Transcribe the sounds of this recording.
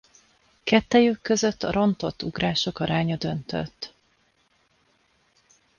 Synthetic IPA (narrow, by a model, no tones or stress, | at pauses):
kɛt̪ːɛjøːkːøzøt̪ːɒɾo̞nt̪o̞t̪ːuɡraːʃo̞kɒɾaːɲɒd̪ønt̪ø̰t̪ː